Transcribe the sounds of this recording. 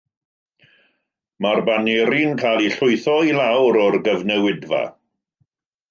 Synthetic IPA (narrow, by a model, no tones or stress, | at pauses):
marbaniɾinkʰalˠiɬʊɨθɔilawɾɔrɡəvnɛwɪdva̰